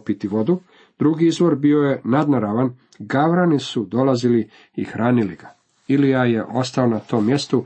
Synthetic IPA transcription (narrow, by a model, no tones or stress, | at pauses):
pit̪iʋo̞d̪u | d̪ɾuɡiizʋo̞ɾbio̞je̞nad̪naɾaʋan | ɡaʋɾanisud̪o̞lˠazili | ixɾʔaːniliɡa | iliaje̞ʔo̞st̪aonat̪o̞ːmːje̞st̪u